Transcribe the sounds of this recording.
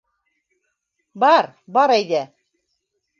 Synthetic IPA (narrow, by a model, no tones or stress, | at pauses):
bɑɾbɑɾæjðæ